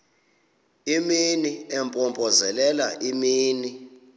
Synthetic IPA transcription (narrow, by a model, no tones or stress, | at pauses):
iminiɛmpʼɔmpʼɔzɛlɛlaʔimiːni